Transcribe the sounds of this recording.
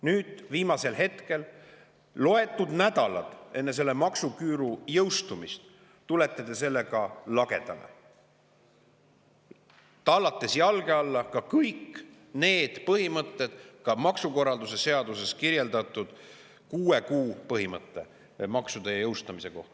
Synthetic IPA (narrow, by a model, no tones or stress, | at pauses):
nyːd̪̥viːmɑse̞lhe̞t̪ke̞l | lo̞e̞t̪ːˑud̪̥næd̪ɑlɑ̰d̪̥e̞nːes̬e̞lːe̞mɑksukyːɾujɤwst̪umist̪ | t̪ule̞t̪ːˑet̪e̞se̞lːe̞kɑlɑɡe̞d̪̥ɑlḛ | t̪ɑlːɑt̪ːˑe̞sjɑlɡe̞ɑlːɑkɑkɤjkː | ne̞ːd̪̥pɤhimɤt̪ːe̞d̪̥kɑmɑksuko̞rɑld̪use̞se̞ɑd̪̥use̞skirje̞ld̪ɑt̪ːˑud̪̥ | kuːe̞kuːpɤɦimɤt̪ːˑe̞ | mɑksud̪̥ejɤwst̪ɑmise̞ko̞̰ht̪ɑ